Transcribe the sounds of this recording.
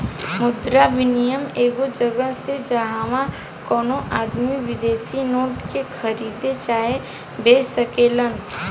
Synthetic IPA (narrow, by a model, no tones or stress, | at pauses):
mʊd̪ɾabɪnijəmeːɡod͡ʒɐɡəɦsed͡ʒɐɦaːʋã | kɔːnoʔaːd̪miʋɪd̪eːsinoːʈkekʰɐɾiːd̪et͡ʃaːe | beːsəkeːlən